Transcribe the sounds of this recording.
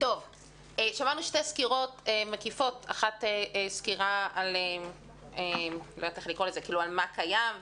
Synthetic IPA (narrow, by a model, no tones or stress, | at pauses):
to̞v | eʃamanuʃteskiʁo̞temekifo̞taχateeskiʁaalem | emlo̰jatelikʁolezekiːlualmakajam